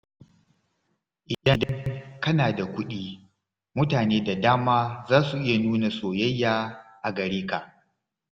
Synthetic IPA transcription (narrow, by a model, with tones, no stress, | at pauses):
ʔɪ˨dɐ˦dɐ˦ŋkɐ˦naː˨da˨kʷʊ˦ɗiː˦ | mʊ˦taː˨neː˦da˨daː˦maː˦zaː˦su˨ʔɪ˦ja˨nuː˦na˨soː˨jɐ˦jːaː˦ʔa˨ɡɐ˨ɾiː˦ka˨ʔ